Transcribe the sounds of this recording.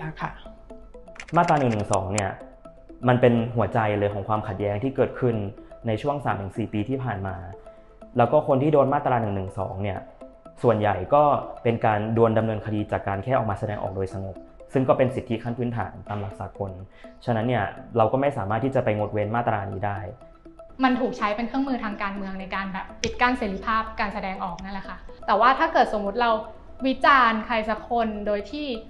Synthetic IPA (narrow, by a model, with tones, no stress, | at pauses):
kʰ | maː˥˩t̪̚ːɾaː˧nɯ˨˩ŋnɯ˨˩ŋsɔː˩˦ŋni˥˩ɐ | ma˧npe˧nɦu˩˦ɐt͡ɕa˧jlɤː˧jkʰɔː˩˦kwaː˧mkʰa˨˩t̪̚jɛː˦˥ŋt̪ʰiː˥˩kɤː˨˩t̪̚kʰɯ˥˩nːa˧jt͡ɕʰu˥˩əŋsaː˩˦mt̪ʰɯ˩˦ŋsiː˨˩piː˧t̪ʰiː˥˩pʰaː˨˩nmaː˧ | lɛː˦˥wkɔː˥˩kʰo˧nt̪ʰiː˥doː˧nmaː˥˩t̪ːɾaː˧nɯ˨˩ŋnɯ˨˩ŋsɔ̰ː˩˦ŋni˥˩ɐ | su˨˩ənja˨˩jkɔː˥˩pe˧nkaː˧ndu˧ənda˧mnɤː˧nkʰa˧diː˧t͡ɕaː˨˩kːaː˧nkʰɛː˥˩ɔ˨˩kmaː˧sa˧dɛː˧ŋʔɔ̰ː˨˩k̚doː˧jsa˧ŋo˨˩p̚ | sɯ˥˩ŋkɔː˥˩pe˧nsi˨˩t̪ʰːi˦˥kʰa˥˩npʰɯː˦˥nt̪ʰa̰ː˩˦nt̪aː˧mla˨˩k̚saː˨˩˦kʰo˧nt͡ɕʰa˦˥na˦˥nːi˥˩ɐɾa˧wkɔː˥˩ma˥˩jsaː˩˦maː˥˩t̪ʰːiː˥˩t͡ɕa˨˩pa˧jŋo˨˦˩t̪̚weː˧nmaː˥˩t̪ːɾaː˧nḭː˦˥daː˥˩j | ma˧nt̪ʰuː˨˩k̚t͡ɕʰa˦˥jpe˧nkʰɯ˥˩əŋmɯː˧t̪ʰaː˧ŋkaː˧nmɯ˧əŋna˧jkaː˧nbɛː˨˩pːi˨˩t̪̚kaː˧˩nseː˩˦li˦˥pʰaː˥˩p̚kaː˧nsa˧dɛː˧ŋʔɔː˨˩k̚na˥˩˨lɛ˨˩kʰa˦˥˩t̪ɛː˨˩waː˥˩t̪ʰaː˥˩kɤː˨˩t̪̚so˩˦mːu˦˥t̪̚ɾa˧w | wi˦˥t͡ɕaː˧nkʰa˧jsa˧˦˥kʰo˧ndoː˧jt̪ʰiː˥˩